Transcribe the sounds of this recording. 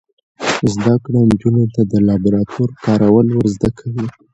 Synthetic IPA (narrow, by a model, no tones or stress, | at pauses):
zd̪akɽand͡ʒunot̪ad̪əlɑbɾɑt̪ʰoɾkɑɾawəlwəɾzd̪akʰawi